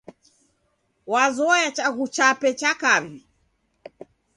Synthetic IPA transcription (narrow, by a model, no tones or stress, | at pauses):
wazɔjat͡ʃaɣut͡ʃapɛt͡ʃakavi